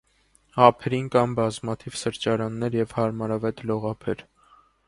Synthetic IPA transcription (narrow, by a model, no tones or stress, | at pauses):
hɑpʰɛɾinkɑmbɑzmɑt̪ʰiv̥səɾt͡ʃɑɾɑnːɛɾjɛvhɑɾmɑɾɑvɛt̪lɔʁɑpʰɛɾ